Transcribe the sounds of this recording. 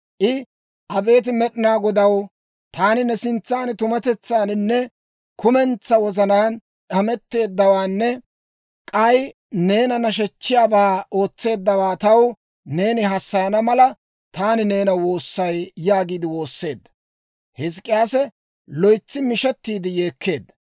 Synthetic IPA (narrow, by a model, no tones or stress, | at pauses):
ʔɪ | ʔɐbe̞ːt̪̬ɪmɛɗɪnaːɡɔd̪ɐw | t̪aːnɪnɛsɪnt͡sːaːnɪt̪ʊmɐt̪ɛt͡sːaːnɪnːɛ | kʊmɛnt͡sːɐwɔzɐnaːn | ʔɐmɛt̪ːe̞ːd̪ːɐwaːnːɛ | kʼɐj | ne̞ːnɐnɐʃ̬ɛt͡ʃːɪjaːbaːo̞ːt͡sːe̞ːd̪ːɐwaːt̪ɐw | ne̞ːnɪɦɐsːɐjɐnɐmɐlɐ | t̪aːnɪne̞ːnɐwo̞ːsːɐjjaːɡiːd̪ɪwo̞ːsːe̞ːd̪ːɐ̥ | hɪs̬kʼɪjaːsɛ | lɔjt͡sːɪmɪʃɛt̪ːiːd̪ɪje̞ːkʰːe̞ːd̪ːɐ